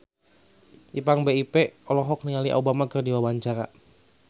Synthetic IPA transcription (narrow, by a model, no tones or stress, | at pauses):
ipaŋbeipeɔlɔɦɔk̚nialiʔa̰ubamakərdiwawaɲt͡ʃaɾa